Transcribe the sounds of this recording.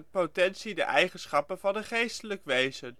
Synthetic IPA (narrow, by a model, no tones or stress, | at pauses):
tpotɛnsidə̰ʔɛjχənsχɑpənvɑndəχejstələkʋejzən